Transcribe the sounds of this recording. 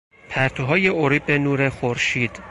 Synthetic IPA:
pʰæɾt̪ʰoɦɒːjeoɾibenuːɾexoɾʃiːd̪̥

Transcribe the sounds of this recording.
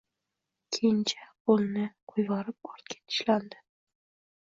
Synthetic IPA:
kʲʰejnt͡ʃʰḁpolnɪqʰojvɑɾɪp̚ɒɾt̪kʲʰḁt̪ʰɪ̥ʃland̪ɪ

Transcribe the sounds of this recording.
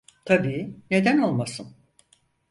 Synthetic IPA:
t̪ʰabiːne̞d̪æno̞lˠmasɯn

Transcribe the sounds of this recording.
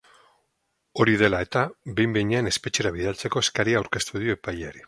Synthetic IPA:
o̞ɾiðe̞laet̪abe̞jmbejɲeane̞spe̞t͡ʃe̞ɾaβ̞iðalt͡se̞ko̞eskaɾiaːwɾke̞st̪uðioepajeaɾi

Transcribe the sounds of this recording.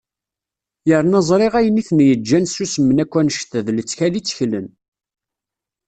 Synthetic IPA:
jəɾnɑzˤɾˤeʁæjəniθnjəd͡ʒːænsusmənækʷːænʃt̪ðlət͡sːçælit͡sːçlən

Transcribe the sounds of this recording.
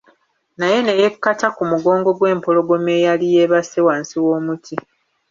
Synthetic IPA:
naje̞ne̞je̞kːatakumuɡo̞ːŋɡo̞ɡwe̞ːmpo̞lo̞ɡo̞me̞ːjalije̞ːβasewaːnsiwoːmutʰi

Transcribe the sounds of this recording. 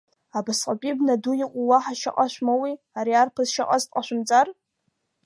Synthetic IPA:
abasqʼapʼibnadujiqʷʼuwaħaʃa̰qʼaʃʷmawi | aɾiarpʰazʃaqʼaztʼqʼaʃʷʊmt͡sʼar

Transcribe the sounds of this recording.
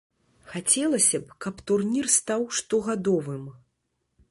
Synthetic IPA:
xat͡sʲɛlˠɐsʲɐpkɐpt̪urnʲirst̪awʂt̪ɔɣad̪ɔvɨm

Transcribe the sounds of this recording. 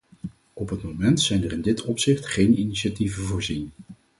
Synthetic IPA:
ɔpɦətmomɛntsɛjnərɪndɪtʰɔpsɪχtχejniniʃativəvʊːɹzin

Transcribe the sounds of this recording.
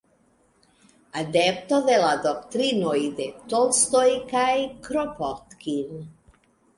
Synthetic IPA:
ad̪ɛpt̪oðelad̪okt̪ɾinojd̪et̪olst̪ojkajkɾopot̪kin

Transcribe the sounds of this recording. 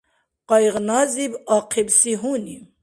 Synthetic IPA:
qɑjʁnazibaːqʰibsiɦuːni

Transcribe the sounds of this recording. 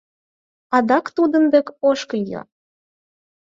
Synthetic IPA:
ɑd̪ɑkt̪ud̪ə̆nd̪ekoʃkə̆jɤ̰

